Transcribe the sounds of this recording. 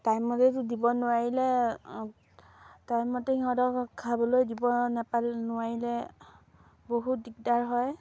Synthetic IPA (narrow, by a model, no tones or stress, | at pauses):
tajmɔtetʊdibɔnʊwaɹilɛ | tajmɔtɛiɦɔdɔkʰːabɔlojdibɔnapalnʊwaɹilɛ | boɦutdik̚daɹɦɔj